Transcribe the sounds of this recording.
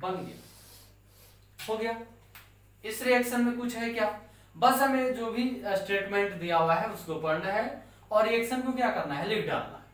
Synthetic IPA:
bɐ̃nɡɪ̰a̰ | ɦoɡɪjaː | ɪsɾiɛːkʃənmẽkʊt͡ʃʰɦɛkjaː | bɐsɦɐmẽd͡ʒoːbʱisʈɾeːʈmẽːɳʈd̪ijaɦʊaɦɛʊskopɐɳɖɦɛ | ɔːɾiɛːkʃənkokjaːkɐɾnaɦɛlɪkʰɖa̰ːlna̰ɦɛ

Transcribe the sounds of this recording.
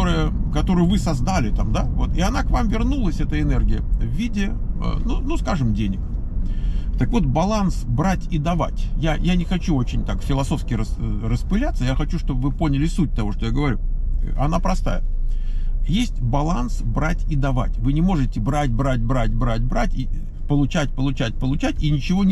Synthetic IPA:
oɾɨjəkɐt̪o̞ɾɨjʊvɨsɐzd̪alʲɪt̪amd̪avo̞t̪ɪɐnakvamvʲɪrnulˠəsʲɛt̪əɪnɛrɡʲɪjəvːʲidʲɪə̰nunuskaʐɨmdʲenʲɪk | t̪əkvo̞t̪̚bɐlˠansbɾatʲid̪ɐva̰tʲjajanʲɪxɐt͡ɕuo̞t͡ɕɪnʲt̪akfʲɪlˠɐso̞fskʲɪɾəsrəspɨlʲat̪səjaxɐt͡ɕuʂt̪o̞bvɨpo̞nʲɪlʲɪsut̚ʲt̪ɐvo̞ʂt̪ojaɡəvɐɾʲuɐnapɾɐst̪a̰jə | jesʲtʲbɐlˠansbɾatʲid̪ɐva̰tʲvɨnʲɪmo̞ʐɨtʲɪbɾat̚ʲbɾat̚ʲbɾat̚ʲbɾat̚ʲbɾatʲi | pəlˠʊt͡ɕætʲpəlˠʊt͡ɕæt̚ʲpəlˠʊt͡ɕætʲinʲɪt͡ɕɪvo̞

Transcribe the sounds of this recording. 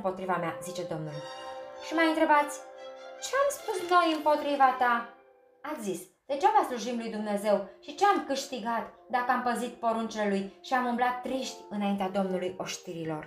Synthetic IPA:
mpo̞t̪ɾivameazit͡ʃe̞d̪o̞mnulʃimajɨnt̪ɾe̞bat̪sʲt͡ʃeamspusno̞jɨmpo̞t̪ɾivat̪a | at̪sʲzis | d̪̥et͡ʃavasluʒimlujd̪umne̞ze̞wʃit͡ʃeamkɨʃt̪iɡat̪d̪akəampəzit̪po̞ɾunt͡ʃelelujʃiamumblat̪ːɾiʃt̪ʲɨnaint̪ead̪o̞mnulujo̞ʃt̪iɾilo̞̰r

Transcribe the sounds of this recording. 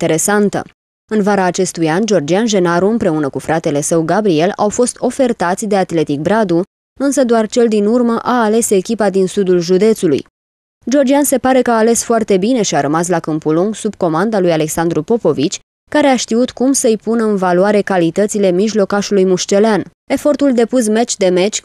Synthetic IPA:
t̪eɾe̞sant̪ə̰ | ɨnvaɾaːt͡ʃe̞st̪ujand͡ʒo̞rd͡ʒianʒe̞naɾuɨmpɾe̞unəkufɾat̪e̞le̞səwɡabɾie̞lawfo̞st̪o̞fe̞rt̪at̪sʲd̪e̞at̪le̞t̪ik̚bɾad̪u | ɨnsəd̪oart͡ʃe̞ld̪inurməʔaːle̞se̞kʲipad̪insud̪ulʒud̪e̞t̪sulṵj | d͡ʒo̞rd͡ʒianse̞paɾe̞kəaːle̞sfoart̪e̞bine̞ʃiaɾəmas̬lakɨmpuluŋɡsub̚ko̞mand̪alujale̞ksand̪ɾupo̞po̞vit͡ʃʲ | kaɾe̞aʃt̪iut̪kumsəjpunəɨnvaloaɾe̞kalit̪ət̪sile̞miʒlo̞kaʃulujmuʃt͡ʃe̞lean | e̞fo̞rt̪uld̪e̞pus̬me̞t͡ʃʲd̪e̞me̞t͡ʃʲ

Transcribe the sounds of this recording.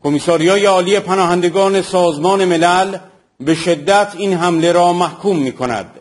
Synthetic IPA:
kʰo̞misɒːɾijɒːjeɒːliːe̞pʰænɒːhænd̪e̞ɡɒːne̞sɒːzmɒːne̞me̞læl | be̞ʃe̞d̪ːæt̪ʰinɦæmle̞ɾɒːmæhkʰuːmːiːkʰo̞næ̰d̪̥

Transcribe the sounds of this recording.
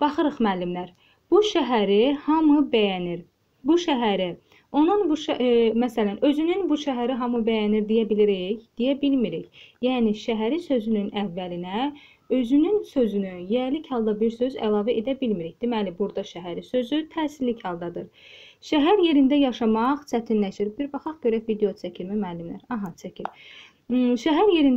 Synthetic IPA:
b̥ɑχɯɾɯχmæːlːimlæɾ | b̥uʃæɦæɾihɑmɯbæjæniɾ | buʃæɦæɾi | o̞nunbuʃmæsælænø̞zynynbuʃæɦæɾiɦɑmɯbæjæniɾd̪ijæbiliɾiçd̪̥ijæbilmiɾiçjæːniʃæɦæɾisø̞zynynævːælinæ | ø̞zynynsø̞zynyjæɾlichɑlˠd̪ɑbiɾsø̞zæ̰lˠɑːvæʔe̞d̪æbilmiɾiçd̪̥imælibuɾd̪ɑʃæɦæɾisø̞zyt̪ʰæːsillːichɑlˠd̪ɑd̪ɯɾ | ʃæɦæɾje̞ɾind̪æjɑʃɑmɑʁt͡ʃʰæt̪ʰinlæʃiɾbiɾbɑχɑχɟøɾævid̪ejot͡ʃʰæcʰilmæmælːymlæɾɑɦɑt͡ʃʰæcʰiɾ | ʃæɦæɾje̞ɾin

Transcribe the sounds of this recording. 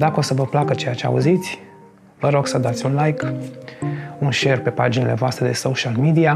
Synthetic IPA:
d̪akəo̞səvəplakət͡ʃe̞jat͡ʃea̰uzit̪sʲ | vəɾo̞ɡsəd̪at̪sʲunlajk | unʃe̞rpe̞pad͡ʒinile̞voast̪ɾe̞d̪e̞soʃalmid̪ia

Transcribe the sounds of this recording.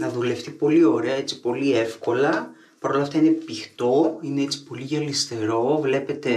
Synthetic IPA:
nɐðule̞ft̪ipo̞lio̞ɾe̞ɐe̞t͡si̥po̞lie̞fko̞lɐ | pɐɾo̞lɐft̪ɐine̞pixt̪o̞ine̞et͡si̥po̞liʝɐlist̪e̞ɾo̞vle̞pe̞t̪e̞

